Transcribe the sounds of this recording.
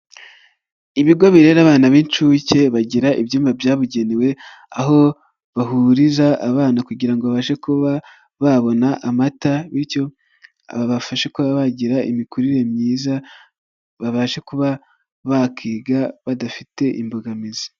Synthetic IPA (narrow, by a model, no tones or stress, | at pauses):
iβiɡo̞βiɾe̞ːɾaβaːnaβint͡ʃuːce̞βaɟiɾaʔibjuːmbabjaːβuɟe̞niwe̞ | aɦo̞ | βaɦuɾizaʔːβaːnakuɟiɾaŋɡo̞βaβaːʃekuβa | βaβo̞naʔamataβiɾco̞ | a̰βaβafaʃekuβaβaɟiɾaʔḭmikuɾiɾe̞mɲiːza | βaβaːʃekuβa | βakʰiːɡaβadafite̞ʔḭmbuɡamizi̥